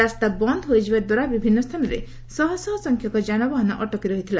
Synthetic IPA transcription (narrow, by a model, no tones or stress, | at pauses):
ast̪abɔnd̪ʱɔɦojd͡ʒibad̪waɾabibʱinːɔst̪ʰanɔɾḛ | sɔɦɔsɔɦɔsɔŋkʰjɔkɔd͡ʒanɔbɔɦɔnɔʔɔʈɔkiɾɔɦit̪ʰila